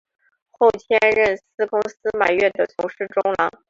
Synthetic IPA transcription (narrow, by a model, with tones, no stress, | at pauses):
xo˥˩ʊt̪ʰjɛ˥nɻə˥˩nsɹ̩˥kʊ˥ŋsɹ̩˥ma˨˩ɪɥɛ˥˩nd̪ə˩t͡sʰʊ˧˥ŋʂɻ̩˥˩ʈ͡ʂʊ˥ŋlɑ˧˥ŋ